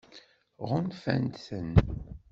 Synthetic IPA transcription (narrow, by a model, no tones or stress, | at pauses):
ʁʊnfæ̰nt̪θən